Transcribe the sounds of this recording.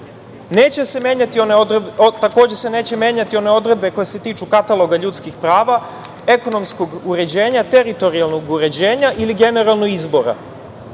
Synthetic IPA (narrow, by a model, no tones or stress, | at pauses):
ne̞ːt͡ɕe̞se̞mjeːɲat̪iont̪ako̞ːd͡ʑesene̞ːt͡ɕe̞mje̞ːɲat̪io̞ne̞o̞d̪ɾed̪be̞ko̞jese̞t̪iːt͡ʃukat̪alˠo̞ɡaʎuːt̪skixpɾaːʋa | e̞ko̞no̞msko̞ɡuɾe̞d͡ʑe̞ːɲat̪e̞ɾit̪o̞ɾialˠnoɡuɾe̞d͡ʑeːɲaʔiliɡe̞ne̞ɾalnoɡizbo̞ɾa̰